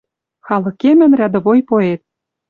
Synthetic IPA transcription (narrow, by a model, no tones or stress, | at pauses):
xɑlɤ̆kemɘ̆nrʲæd̪ɤ̆βojpoet̪̚